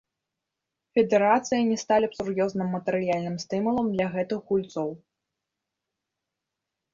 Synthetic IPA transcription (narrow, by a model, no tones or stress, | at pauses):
fʲɛd̪ɛɾat̪sɨjɐnʲɛst̪alʲɐpsuɾjɔznɨmːɐt̪ɛɾɨjalʲnɨmst̪ɨmulˠɐmd̪lʲɐɣɛt̪ɨxɣulʲt̪sɔw